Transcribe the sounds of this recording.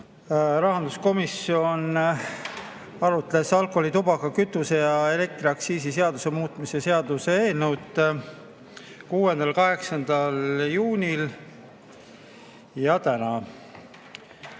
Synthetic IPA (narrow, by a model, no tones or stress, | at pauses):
ɾɑɦɑnd̪̥usko̞misːio̞n | ɑɾut̪le̞sɑlkˑo̞lit̪ubɑkɑkyt̪ːˑuse̞jɑe̞le̞k̚t̪ɾiɑksiːsise̞ɑd̪̥use̞muːt̪ːˑmisese̞ɑd̪̥use̞eːlnəwt̪ː | kuːe̞nd̪̥ɑlkɑɦe̞ksɑnd̪̥ɑljuːnʲil | jɑt̪ænɑ